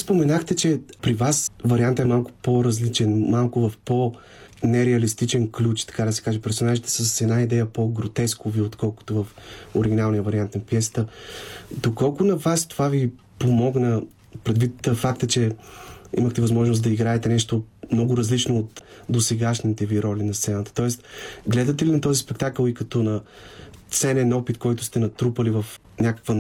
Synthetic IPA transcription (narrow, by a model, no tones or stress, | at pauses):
spomɛnaxt̪ɛt͡ʃɛpɾivasvɐɾiant̪əɛmalˠkʊ̥poɾɐzlit͡ʃɛnmalˠkʊvɐfpo | nɛɾɛɐlist̪it͡ʃɛnklʲut͡ʃt̪ɐ̥kad̪ɐsɛ̥kaʒɛpɛɾfsonaʒit̪ɛ̥səsɛd̪naid̪ɛjəpoɡɾot̪ɛskoviot̪kɔlˠkʊ̥t̪ovɐfoɾiɡʲinalˠnijəvɐɾiant̪nfpjɛsə̥t̪ə | d̪okɔlˠkʊnɐvast̪ovavi | pomɔɡnə | pɾɛd̪vit̪fakt̪ət͡ʃɛ | ḭməxt̪ɛvɐzmɔʒnos̬d̪ɐiɡɾaɛt̪ɛnɛʃt̪omnɔɡʊɾɐzlit͡ʃnoːt̪d̪osɛɡaʃnit̪ɛviɾɔlʲinɐst̪sɛnət̪ə̥t̪ɔɛst̪ɡlɛd̪ɐt̪ɛlinɐt̪ɔzispɛkt̪akəlˠikɐt̪ɔnɐt̪sɛnɛnɔpit̪kɔjt̪ʊ̥st̪ɛnɐt̪ɾupəlivɐf | nʲakə̥kvə